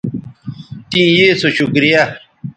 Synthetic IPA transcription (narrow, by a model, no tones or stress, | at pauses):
t̪ĩjeːsoɕukɾija